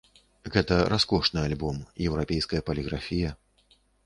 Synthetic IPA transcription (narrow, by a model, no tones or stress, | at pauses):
ɣɛt̪ɐɾaskɔʂnɨalʲbɔmjɛwɾapʲɛjskɐjɐpɐlʲiɣɾafʲijɐ